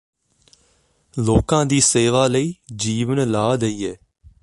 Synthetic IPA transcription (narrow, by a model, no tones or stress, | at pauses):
loːkãːd̪iːseːʋaːləiːd͡ʒiːʋənlaːd̪əiːɦɛː